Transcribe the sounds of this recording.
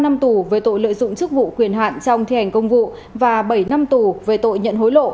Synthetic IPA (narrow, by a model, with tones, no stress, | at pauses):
na˧mt̪u˨˩veː˨˦jt̪o̰˧˨jlə̰ː˧˨jzʊ̰˧˨ŋ͡mt͡ɕɨ˦˥k̚vṵ˧˨kwi˧˩ənɦa̰ː˧˨nt͡ɕɔ˧wŋ͡mt̪ʰi˧˩ha˨˩jŋ̟kə˧wŋ͡mvṵ˧˨ | vaː˨˩ɓə˧˩jna˧mt̪u˨˩veː˨˦jt̪o̰˧˨jɲə̰˧˨nɦo˨˦jlo̰˧˨